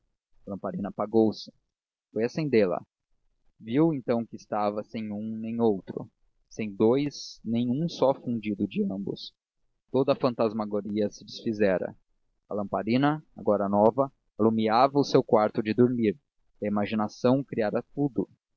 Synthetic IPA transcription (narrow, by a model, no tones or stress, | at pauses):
ɐlɐ̃mpaɾĩnɐpaɡowsɪ̥ | fojasẽnd̪elɐ̰ | viwẽnt̪ɐ̃w̃kɪːst̪avɐsẽj̃ũnẽj̃owt̪ɾʊ̰ | sẽj̃d̪ojznẽj̃ũsɔfũd͡ʒid̪ʊd͡ʒɪɐ̃mbʊ̰s | t̪od̪ɐfɐ̃nt̪azmaɡoɾiɐsɪd͡ʒɪsfizɛɾɐ̰ | ɐ̰lɐ̃mpaɾĩnɐa̰ɡɔɾɐnɔvɐ | alumiavɐʊsewkwaɾt̪ʊd͡ʒɪd̪oɾmiɾ | ɐimaʒinasɐ̃w̃kɾiaɾɐt̪ud̪ʊ